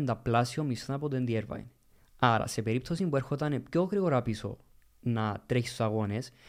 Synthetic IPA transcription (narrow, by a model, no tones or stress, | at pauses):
nd̪ɐplasiomːist̪ɐnɐpot̪end̪ieɾvɐ̰j̰n | ɐɾɐ̰se̞pe̞ɾip̚t̪o̞simbue̞ɾxot̪ɐnepçokɾiɣoɾapiso̰ | nɐt̪ɾeçist̪u̥sɐɣo̞nes